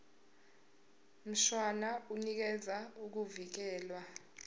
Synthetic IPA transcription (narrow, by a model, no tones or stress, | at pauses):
m̩ʃwanaunik̬ɛd͡zʱauk̬uvik̬ɛːlwa